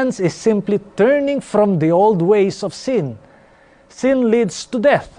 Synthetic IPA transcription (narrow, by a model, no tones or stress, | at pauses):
nsɪssɪ̃mplitɜ˞nɪ̃ŋfɾɔ̃md̪ioldweɪsɔv̥sɪ̃n | sɪ̃nlidstudɛθ